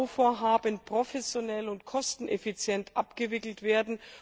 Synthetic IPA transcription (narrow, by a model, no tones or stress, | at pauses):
ofoːɐɦaːbənpʁ̥ofɛsjonɛlʊntkʰɔstn̩ʔɛfit͡sjɛntʰʔapɡ̥əvɪkl̩tv̥eːɐdn̩